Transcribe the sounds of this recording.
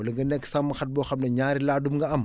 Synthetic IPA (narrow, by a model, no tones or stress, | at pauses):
ɐliŋɡɐnɛkːsamːɐxɐt̚bɔːxɐmnɐɲaːɾilaːdumŋɡɐɐm